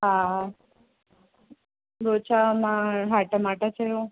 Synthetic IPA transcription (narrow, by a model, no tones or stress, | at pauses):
ɦã | ɡot͡ʃʰamãɦaʈəmaʈat͡ʃʰəjo